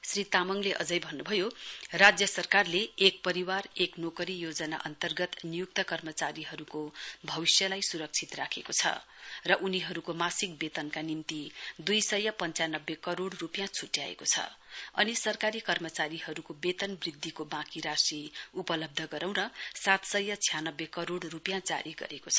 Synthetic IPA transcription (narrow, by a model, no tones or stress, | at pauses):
srit̪amʌŋleʔʌ̰d͡zʌjbʱʌnːubʱʌjorad͡zjʌsʌrkarleːk̚pʌɾiwareknokʌɾijod͡zʌna̰ʔʌ̰nt̪ʌrɡʌt̪nijuk̚t̪ʌkʌrmʌt͡saɾiɦʌɾukobʱʌβisjʌlajsuɾʌk̚t͡sʰit̪rakʰekot͡sʰʌ̰ | rʌʔuniɦʌɾukomasik̚bet̪ʌnkanimt̪id̪ujsʌjʌpʌnt͡sanʌbːekʌɾoɽrupjãt͡sʰuʈja̰ḛkot͡sʰʌ̰ʌnisʌrkaɾikʌrmʌt͡saɾiɦʌɾukobet̪ʌnbrid̪ʱːikobãkiɾasiupʌlʌb̚d̪ʱʌɡʌɾãw̃nʌsat̪sʌjʌt͡sʰijanʌbːjekʌɾoɽrupjãd͡za̰ɾiɡʌ̰ɾekot͡sʰʌ